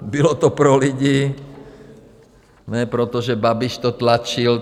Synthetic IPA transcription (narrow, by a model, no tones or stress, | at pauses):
bilɔt̪ɔpɾɔliɟiː | nɛpɾɔt̪ɔʒɛbabiʃt̪ɔt̪lat͡ʃil